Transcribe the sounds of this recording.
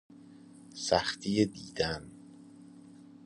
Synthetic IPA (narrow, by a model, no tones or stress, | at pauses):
sæxt̪ʰijed̪iːd̪̥æn